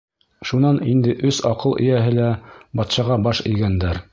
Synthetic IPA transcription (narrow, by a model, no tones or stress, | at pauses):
ʃunɑnind̪ɘʔɵsɑqɤlˠʔɘ̰̆jæɦɘlæbɑt̪ʃɑʁɑbɑʃɘ̆jɡænd̪æɾ